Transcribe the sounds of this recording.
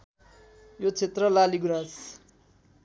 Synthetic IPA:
jot͡sʰet̪rʌlaliɡunas

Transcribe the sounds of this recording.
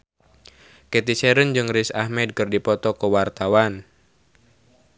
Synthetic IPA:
kɛt̪isɛɾənd͡ʒɨŋrisahmɛd̚kɨrdipɔt̪ɔkəwart̪awan

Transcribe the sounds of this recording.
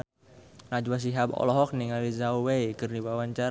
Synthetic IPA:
ŋad͡ʒwas̬iɦapɔ̰lɔɦɔk̚niŋalizauwejkərniwawaɲt͡ʃa

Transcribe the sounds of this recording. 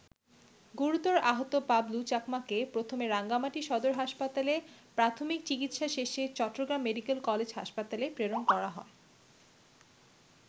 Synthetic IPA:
ɡuɾut̪oɾaɦot̪opablut͡ɕakmakepɾot̪ʰomeɾaŋɡamaʈiʃɔd̪oɾɦaʃpat̪alepɾat̪ʰomik̚t͡ɕikit̪ʃaʃeʃet͡ɕɔʈːoɡɾamːeɖikelkɔled͡ʑɦa̰ʃpat̪alepɾeɾonkɔɾaɦɔ̰e

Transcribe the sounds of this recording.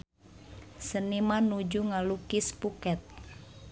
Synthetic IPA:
sənimanud͡ʒuŋalukɪspukɛt̪̚

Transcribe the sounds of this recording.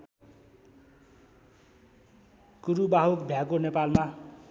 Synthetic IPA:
kuɾubaɦukbʱjakonepalma

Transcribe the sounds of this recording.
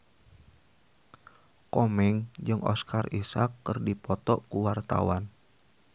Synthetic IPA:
kɔmɛŋd͡ʒɨŋʔɔ̰skʰarisakːɨrdipɔt̪ɔʔkuwart̪a̰wan

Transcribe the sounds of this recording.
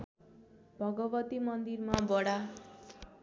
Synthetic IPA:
bʱʌɡʌbʌt̪imʌnd̪irmabʌɽa

